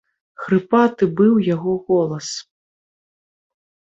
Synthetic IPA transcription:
xɾɨpat̪ɨbɨwjaɣɔɣɔlˠɐs

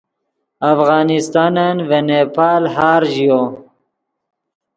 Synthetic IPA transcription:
afɣɑːnist̪aːnenvenepʰaːlɦaːɾʒijo

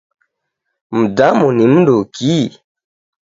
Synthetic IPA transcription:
m̩damunim̩doki

